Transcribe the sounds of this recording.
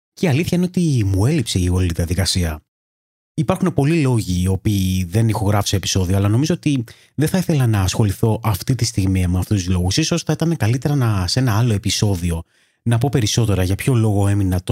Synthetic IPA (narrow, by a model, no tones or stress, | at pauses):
ceiɐliθçɐine̞ot̪imue̞lipse̞iɣoliliðiɐðikɐsiɐ | ipɐɾxune̞po̞lilo̞ʝiːo̞piːðe̞nixo̞ɣɾɐfseːpi̥so̞ðioɐlɐno̞mizo̞ot̪i | ðeθɐiθe̞lɐnɐːsxo̞liθo̞ʔɐft̪it̪ist̪iɣmiɐmeɐft̪ust̪uzlo̞ɣusiso̞sθɐit̪ɐne̞kɐlit̪e̞ɾɐnɐse̞nɐɐlo̞e̞piso̞ðio̞ | nɐpo̞pe̞ɾiso̞t̪e̞ɾɐʝɐpço̞lo̞ɣo̞e̞minɐt̪